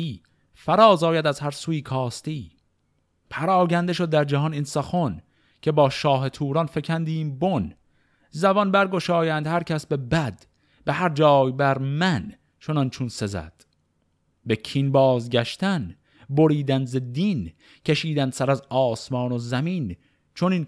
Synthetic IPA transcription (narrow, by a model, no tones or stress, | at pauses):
iː | fæɾɒːzɒːjæd̪æzhæɾsuːiːkʰɒːst̪iː | pʰæɾɒːɟænd̪eʃod̪̚ːæɾd͡ʒæhɒninsɒxon | kʰe̞bɒːʃɒːɦe̞t̪ʰuːɾɒnfe̞kʰænd̪iːmbon | zævɒnbæɾɡo̞ʃɒːjænd̪hæɾcʲʰæsbe̞bæd̪̥ | behæɾd͡ʒɒːjbæɾmæn | t͡ʃʰo̞nɒnt͡ʃʰunse̞zæ̰d̪̥ | be̞kʰinbɒːzɡʲæʃt̪æn | bo̞ɾiːd̪ænd̪zed̪in | cʰeʃiːd̪ænd̪sæɾæzɒːsmɒːnozæmiːn | t͡ʃʰonin